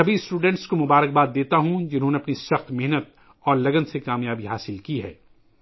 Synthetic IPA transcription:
ɐbisʈuːɖɛ̃ːɳʈskomʊbaːɾək̚baːd̪̚d̪ːeːt̪aɦũd͡ʒɪnɦõneɐpnisɐxt̪mɪɦnət̪̚ | ɔːɾlɐɡənsekaːmjaːbiɦaːsɪlkiɦɛ̰ː

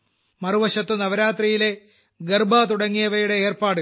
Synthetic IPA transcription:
mɐruʋɐɕɐt̪ːɨnɐʋɐɾaːt̪rijile̞ | ɡɐrbaːt̪uɽɐŋːijɐʋɐjuɽe̞eːrpaːɽɨ

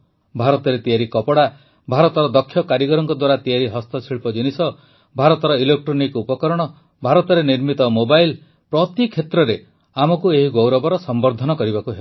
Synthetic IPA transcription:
bʱaɾɔt̪ɔɾet̪ijaɾikɔpɔɽa | bʱaɾɔt̪ɔɾɔd̪ɔkʰːjɔkaɾjiɡɔɾɔŋkɔd̪waɾat̪ijaɾiɦɔst̪ɔsʰiɭpɔd͡ʒinisɔ | bʱaɾɔt̪ɔɾɔilek̚ʈɾɔnikupɔkɔɾɔɽ̃ɔ | bʱaɾɔt̪ɔɾeniɾmit̪ɔmobajl | pɾɔt̪ikʰːet̪ɾɔɾe | amɔkueɦiɡowɾɔbɔɾɔsɔmbɔɾd̪ʱɔnɔkɔɾibakuɦe

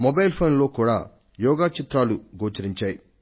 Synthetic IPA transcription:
mobɐjlpʰoːnlo̞ːkuːɽa̰ː | jɔːɡaːt͡ʃit̪ɾaːluɡoːt͡ʃɐɾiɲt͡ʃaːji

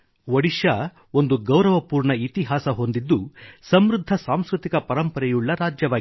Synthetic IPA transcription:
ʋɐɽiʃa | o̞nd̪uɡɐwɾɐʋɐpuːɾɳɐit̪iɦaːsɐɦo̞nd̪id̪ːusɐmɾud̪ʱːɐsaːmskɾut̪ikɐpɐɾɐmpɐɾɛjuɭːɐɾaːd͡ʒjɐʋaː

